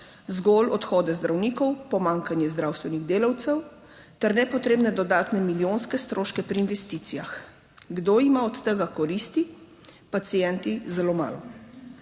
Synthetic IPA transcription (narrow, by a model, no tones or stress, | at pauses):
zɡɔlɔt̪xɔːd̪ɛzd̪ɾawniːkɔwpɔmaŋkanjɛzd̪ɾaːwst̪ʋɛniɣd̪eːlawt̪sɛw | t̪ɛɾnɛpɔt̪ɾeːbnɛd̪ɔd̪aːt̪nɛmiljonskɛst̪ɾoːʃkɛpɾiːnʋɛst̪iːt̪sijax | ɡd̪oimaɔt̪t̪əɡakɔɾiːst̪i | pat̪sijɛnt̪izɛloːma̰ːlɔ